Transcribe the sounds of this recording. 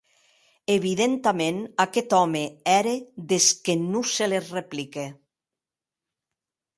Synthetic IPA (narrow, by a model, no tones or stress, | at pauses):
eβiðent̪amenakɛt̪ɔmeɛɾeðeskenuselezreplike